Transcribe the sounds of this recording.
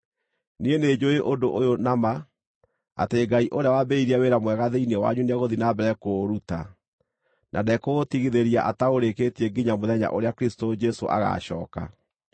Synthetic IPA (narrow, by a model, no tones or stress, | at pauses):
niened͡ʒoeʔodoʔojonama | a̰teɡaiʔoɾeawabeiɾiaweɾamwɛɣaðeinewa̰ɲunaɣoðinabɛɾɛkoɾuta̰ | nʔa̰dɛkoɣotiɣiðeɾijaʔataoɾeketiɛɡiɲamoðɛɲa̰ʔoɾeakɾistod͡ʒɛso̰ʔa̰ɣa̰ɕɔ̰ːka̰